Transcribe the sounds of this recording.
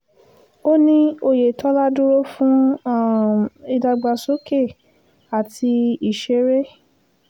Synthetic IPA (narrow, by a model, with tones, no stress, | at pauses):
o˦nĩ˦o˧je˨tʰɔ˦la˦du˦ɾo˦fũ˦˨ | i˧da˧ɡ͡ba˧so˦ke˦˨ | a˨ti˧i˨ʃe˧˦ɾe˦